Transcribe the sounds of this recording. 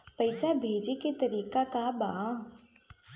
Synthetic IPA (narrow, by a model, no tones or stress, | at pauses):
pɐɪsabʱeːd͡ʒeket̪ɐɾiːkakabaː